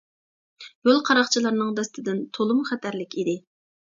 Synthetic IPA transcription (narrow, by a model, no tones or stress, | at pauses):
jolˠqʰɑɾɑχt͡ʃʰilˠɑɾnɨŋd̪ɛst̪ʰɪd̪ɪnt̪ʰolˠumχɛt̪ʰæɾlɪkʲid̪ɪ